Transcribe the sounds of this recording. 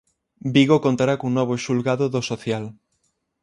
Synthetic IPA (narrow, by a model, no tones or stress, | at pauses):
biɣokont̪aɾakouŋnɔβ̞oʃulɣaðoðosoθjal